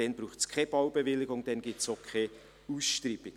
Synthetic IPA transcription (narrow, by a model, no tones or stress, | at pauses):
ɛnbɾuːχtskʰɛb̥ɑʊbevɪlɪɡʊŋd̥ɛnɡip̚tsokʰe | uːsʃtribɪ